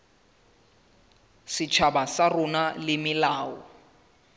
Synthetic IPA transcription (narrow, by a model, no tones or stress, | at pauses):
sɪt͡ʃʰabasarʊnalɪmɪlaːɔ